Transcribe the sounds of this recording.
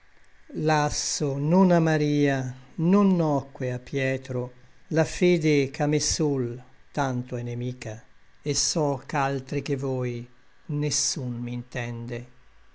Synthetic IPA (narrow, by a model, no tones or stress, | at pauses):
lasːononamːaɾiːanonːɔkːweapːjɛːt̪ɾolafeːd̪ekʰamesult̪ant̪oɛnemiːka | esːɔkalt̪ɾik̟evɔj | nesːunmint̪ɛnd̪e